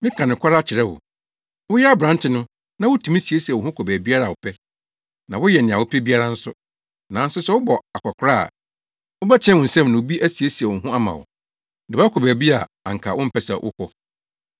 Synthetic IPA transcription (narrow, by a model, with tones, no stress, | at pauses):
mɪ̃˦kʰã˨nɪ̃˨kʷʰa˦ɾa˦˨t͡ɕʰɪ˨ɾɛ˦wʊ̰˨ | wʊ˦jɛ˦a˦bɾã˨ntʰɪ˨nʊ̃˦ | nã˦wʊ˦tʰũ˨mĩ˦si˨e˦si˨wʊ˨hʊ̃˦kʰɔ˨bæ˨bi˦a˦ɾa˨wʊ˨pʰɛ˦ | nã˨wʊ˦jɛ˨nɪ̃˨a˨wʊ˨pʰɛ˦bi˦a˦ɾa˦n̩˦sʊ˦ | nã˨˦n̩˦sʊ˦sɛ˦wʊ˦bɔ˨a˨kʰʷa˨kʰʊ˨ɾa̰ː˦˨ | wʊ˦bɛ˦t͡ɕʰɛ̃˦wʊ̃˨n̩˨sɛ̃˦m˨nʊ̃˨bi˦ʔæ˦si˨e˦si˨ɛ˨wʊ̃˨ɦʊ̃˦a˦mã̰˨wʊ̰˨ | dɪ˨ba˦kʰɔ˨bæː˨bi˦a̰˨ | a̰˨ŋ̩˨kʰa̰˨wʔʊ̃˦m̩˦˨pʰɛ˦sa̰˨wʔʊ̰˦kʷʰɔ˦